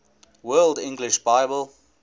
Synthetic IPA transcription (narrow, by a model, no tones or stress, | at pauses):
wɜːldɪ̃ŋɡlɪʃbaɪbəlˠ